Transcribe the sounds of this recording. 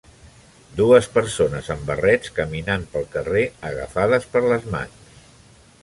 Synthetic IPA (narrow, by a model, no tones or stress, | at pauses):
d̪uəspəɾsonəzəmbərɛt͡skəminampəlˠkəreəɣə̰faðəspəɾləzma̰ns